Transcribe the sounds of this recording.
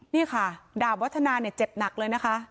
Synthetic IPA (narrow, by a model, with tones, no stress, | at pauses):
niː˥˩kʰa˥˩daː˨˩wwːa˦˥t̪ʰːa˧naː˧ni˥˩ɐt͡ɕe˨˩p̚na˨˩k̚lɤː˧jna˦˥kʰa˦˥ʔ